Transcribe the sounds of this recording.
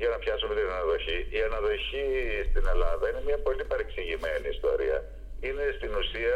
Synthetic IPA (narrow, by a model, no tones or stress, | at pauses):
ʝɐnɐpçɐsumet̪inɐnɐðo̞çiiɐnɐðo̞çist̪ine̞lɐðɐine̞mɲɐpo̞lipɐɾeksiʝime̞niːst̪o̞̰ɾḭɐ̰ | ine̞st̪inusiɐ